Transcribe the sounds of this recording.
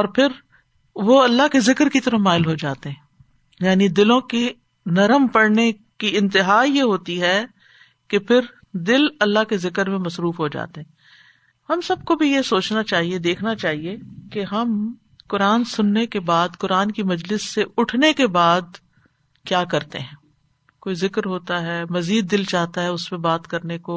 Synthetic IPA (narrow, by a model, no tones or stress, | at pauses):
ɔːɾpʰɪɾ | ʋoɐlːakezɪkɾkit̪ɐɾəfmaːɪlɦod͡ʒaːt̪eɦɛ̃ː | jaːnid̪ɪlõke | nɐɾəmpɐɽne | kiɪ̃nt̪ɪɦaːjeɦoːt̪iɦɛ | kepʰɪɾ | d̪ɪlɐlːaɦkezɪkəɾmẽmɐsɾuːfɦod͡ʒa̰ːt̪eɦɛ̃ː | hɐmsɐb̚kobʱijesoːt͡ʃnat͡ʃaːɦied̪eːkʰnat͡ʃaːɦiekeɦɐm | kʊɾaːnsʊnːekebaːd̪kʊɾaːnkimɐd͡ʒlɪsːeʊʈʰnekebaːd̪̚ | kjaːkɐɾt̪ḛɦɛ̃ː | koːizɪkɾɦoːt̪aɦɛmɐziːd̪̚ːɪlt͡ʃaːɦt̪aɦɛʊspẽbaːt̪kɐɾneko